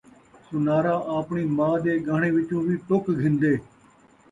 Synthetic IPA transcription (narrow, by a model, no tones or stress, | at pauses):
sʊnaːɾaːʔaːpɳiːmãːd̪eːɡʱaːɳeːʋɪt͡ʃũːʋiːʈokɡʱɪ̃nd̪eː